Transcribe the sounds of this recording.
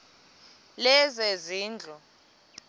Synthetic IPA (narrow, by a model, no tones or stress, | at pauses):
lɛzeziːnd͡ɮʱɔ